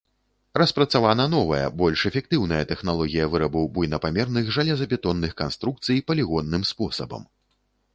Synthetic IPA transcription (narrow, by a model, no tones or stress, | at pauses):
rɐspɾɐt̪savanɐn̪ɔvɐjɐ̰bɔlʲʂɛfʲɛk̚t̪ɨwn̪ɐjɐt̪ɛxnalˠɔɣʲijɐvɨɾɐbɨwbujnɐpamʲɛrnɨxʐalʲɛzɐpʲɛt̪ɔnːɨxkanst̪ɾuk̚t̪sɨjpɐlʲiɣɔnːɨmspɔsɐbɐ̰m